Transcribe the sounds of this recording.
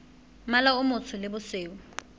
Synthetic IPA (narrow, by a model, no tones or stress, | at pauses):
malaʊmʊt͡sʰʊlɪbʊseːʊ